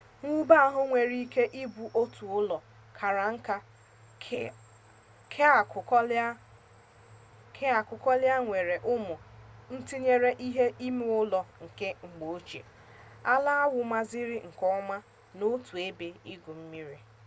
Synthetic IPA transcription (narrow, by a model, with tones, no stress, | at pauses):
ŋʷu˦ba˦a˦ɦʊ˦ŋʷe˨ɾi˦ke˦ʔi˦bu˨ʔo˦tu˨ʊ˦lɔ˨ | kʰa˨ɾa˨ŋ̩˦ka˦ | kʰk | kʰe˦a˨kʊ˨kɔ˦lɪ˦a˦ŋʷe˨ɾe˨ʔʊ˦mʊ˨n̩˦ti˦ɲe˦ɾe˦ʔi˦ɦe˦ʔi˦mu˦ʊ˦lɔ˨ŋ̩˨ke˦ŋ͡m̩˨ɡ͡bo˨o˦t͡ʃḛ˨ | a˦la˦a˦wʊ˨ma˦zɪ˦ɾɪ˦ŋ̩˨kɔ˦ʊ˦ma˦ | no˦tu˨e˦be˨i˦ɡu˨m̩˦mi˦ɾi˨